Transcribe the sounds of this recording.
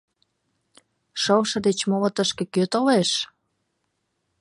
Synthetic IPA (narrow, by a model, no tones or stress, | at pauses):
ʃəlʃɤ̆d̪et͡ɕmolə̆t̪əʃkĕkøt̪oleʃ